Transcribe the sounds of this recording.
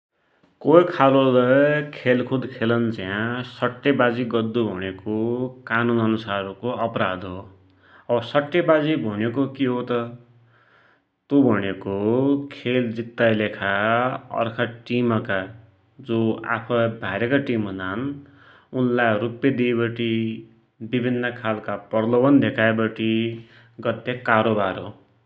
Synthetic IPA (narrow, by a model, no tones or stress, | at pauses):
koikʰalolʌkʰelkʰud̪kʰelʌnt͡sjãsʌʈːebad͡ziɡʌd̪ːubʱʌɽ̃ekokanunʌnusaɾokoʌpɾad̪ɦo | ʌbʌsʌʈːebad͡zibʱʌñekokiɦot̪ʌ | t̪ubʱʌñekokʰeld͡zit̪ːajlekʰaʌ̰rkʰʌʈimʌka | d͡zoa̰pʰʌbʱaɾekaʈimɦund̪an | unlarupːed̪iebʌʈi | bibʱinːʌkʰalkapʌrlʌbʌnd̪ʱekʰaebʌʈʰi | ɡʌt̪ːekaɾobaɾɦo